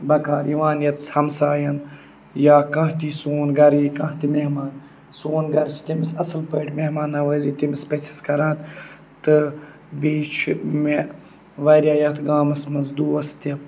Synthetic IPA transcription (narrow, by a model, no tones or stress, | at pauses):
bɐkãːɾiʋãːnjɐt̪shɐmsaːjɐn | jaːkɐ̃ɦt̪isoːnɡɐɾiːkɐ̃ːt̪imehmaːn | soːnɡɐɾt͡ʃʰt̪imisɐsɨlpɐːʈmeɦmaːnɐʋəːziːt̪imispesi̥skɐɾãːt̪ | t̪ɨ | biːt͡ʃʰme | ʋɐːɾʲjaːjɐt̪ʰɡaːmɐsmɐnzd̪uːɐst̪ɐ